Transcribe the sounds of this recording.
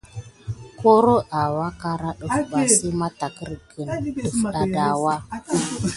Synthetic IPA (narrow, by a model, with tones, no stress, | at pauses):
ko˦ɾo˦a˨wa˦ka˦ɾa˦ɗo˨˦˨ɓa˨si˦ma˦ta˨kə˦ɾɡə˨no˨fɗa˨da˨wa˦